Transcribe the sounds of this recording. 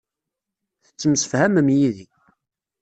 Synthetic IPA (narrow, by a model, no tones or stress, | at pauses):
θət͡sːəmsə̥fhæməmjiði